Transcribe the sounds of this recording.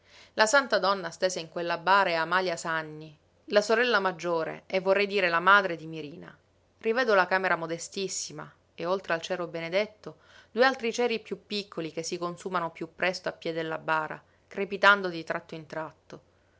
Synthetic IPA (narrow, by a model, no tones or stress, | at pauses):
lasant̪ad̪ɔnːast̪eːzeiŋkwelːabaːɾeamaljasanːi | lasoɾɛlːamad͡ʒːoːɾḛevːorːɛjd̪iːɾelamaːd̪ɾed̪imiɾiːna̰ | rivɛːd̪olakaːmeɾamod̪est̪isːima̰ | eolt̪ɾealt͡ʃɛːɾobened̪et̪ːo | d̪̥uːealt̪ɾit͡ʃɛːɾipjupːikːolik̟esːikonsuːmanopjupːɾɛst̪oapːjɛd̪elːabaːɾa̰ | kɾepit̪and̪od̪it̪ɾʔat̪ːoint̪ɾat̪ːo